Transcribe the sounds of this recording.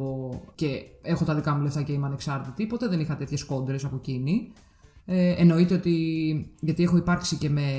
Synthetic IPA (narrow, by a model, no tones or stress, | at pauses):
oce̞e̞xo̞t̪ɐðikɐmuleft̪ɐceimɐne̞ksɐɾt̪it̪ipo̞t̪e̞ðe̞nixɐt̪e̞t̪çe̞sko̞nd̪ɾe̞sɐpo̞cini | eno̞it̪e̞ot̪iʝɐt̪ie̞xo̞ipɐɾksice̞me̞